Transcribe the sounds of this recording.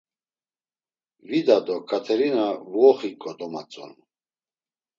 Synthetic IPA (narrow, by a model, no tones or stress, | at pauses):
vid̪ad̪ɔkʰʼat̪ʰɛɾinavuɔχikʼɔd̪ɔma̰t͡sʼɔ̰n